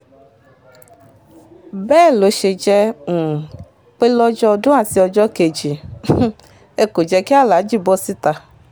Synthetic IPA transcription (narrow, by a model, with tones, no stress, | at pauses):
bɛː˦˨lo˨˦ʃe˨d͡ʒɛ˧ŋ̩˨ | k͡pe˦lɔ˦d͡ʒɔ˦˨do˦a˨si˨˦ɔ˨d͡ʒɔ˦ke˨d͡ʒi˨˦ | e˦ko˨d͡ʒɛ˧ke˦a˦la˨˦d͡ʒi˦bɔ˦si˦t̪a˨